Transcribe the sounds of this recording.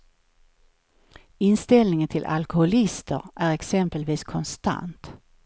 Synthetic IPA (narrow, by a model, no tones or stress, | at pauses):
ɪnst̪ɛlnɪŋənt̪ʰɪlʔa̰lkʊhʊlɪst̪ʰəɾʔæɾɛksɛmpəlviːskʰɔnst̪a̰nt̪